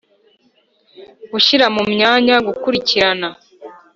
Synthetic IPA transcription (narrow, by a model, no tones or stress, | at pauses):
ɡuʃiɾamumɲaːɲaɡukuɾiciɾana